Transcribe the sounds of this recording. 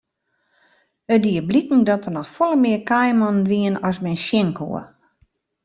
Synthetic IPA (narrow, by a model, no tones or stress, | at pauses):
ədiəblikŋ̩dɔtənɔxfɔlˠəmɪəkajmɔnʋiənɔsmɛjnsjɪŋkʰo̰ə